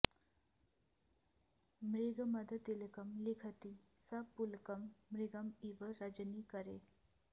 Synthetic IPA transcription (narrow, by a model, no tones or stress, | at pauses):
mɾiɡɐmɐd̪ɐt̪elekɐmlikʰɐt̪i | sapːulkɐmːɾiɡɐmibɐɾɐd͡ʒɐnikɐɾḛ